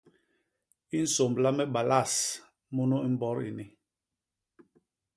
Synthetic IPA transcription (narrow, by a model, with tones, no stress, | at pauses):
i˦n̩˦so˨mbla˦mɛ˦ɓa˨la˦˨s | mu˦no˦i˦m̩˦bɔ˨˦ɾḭ˨ni˦